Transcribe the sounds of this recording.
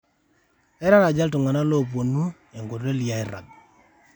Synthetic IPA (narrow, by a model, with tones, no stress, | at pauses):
ɛ˦ɾa˦na˨d͡ʒa˦lt̬ʊ˨ŋa˨na˦lo˦˨p̬o˨nu˦ | e˨ŋɡo˨ɾe˦li˨ja˦ɪ˦ɾa̰˨d̚